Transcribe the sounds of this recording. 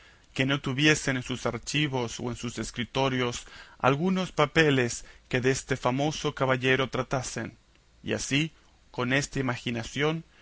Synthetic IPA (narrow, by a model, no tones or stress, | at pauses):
ke̞no̞t̪uβje̞se̞nensusaɾt͡ʃiβo̞so̰ensuse̞skɾit̪o̞ɾjo̞sa̰lɣuno̞spape̞le̞ske̞ðeest̪e̞famo̞so̞kaβaʝe̞ɾo̞t̪ɾat̪ase̞̰n | ḭa̰si | ko̞ne̞st̪aimaxinasjo̞n